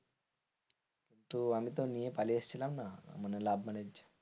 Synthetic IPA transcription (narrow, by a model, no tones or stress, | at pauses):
int̪uɐmit̪oːnijepɐleːst͡ʃilana̰munelaːbmɐned͡ʒ